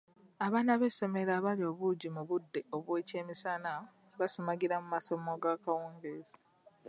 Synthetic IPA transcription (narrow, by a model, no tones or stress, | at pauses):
aβaːnaβe̞so̞me̞ɾaːβalio̞ːβuɟimuβudːe̞o̞βwe̞ːce̞ːmisana | βasomaɡiɾamumaso̞moɡakawuːŋɡeːzi̥